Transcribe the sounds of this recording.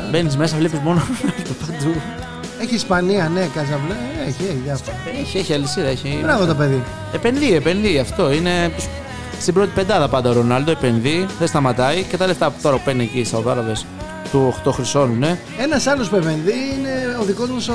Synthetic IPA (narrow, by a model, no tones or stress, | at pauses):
be̞nizme̞sɐvlepizmo̞nonɐlt̪opɐd̪u | eçiːspɐniɐnekɐzɐvlɐeçieçiðɐfo | eçieçiɐlisiðɐeçibɾɐɣot̪ope̞ði | epe̞nðiepe̞nðiɐft̪o̞ine̞t̪us | st̪ibɾo̞t̪i̥pe̞nd̪ɐðɐpɐnd̪ɐoɾo̞nɐld̪oepe̞nðiðest̪ɐmɐt̪ɐicet̪ɐle̞ft̪ɐt̪o̞ɾɐpupeniecist̪ɐoðɐɾɐðes | t̪uoxt̪oxɾiso̞nune̞ | e̞nɐsɐlospepenðiine̞oðiko̞zmɐs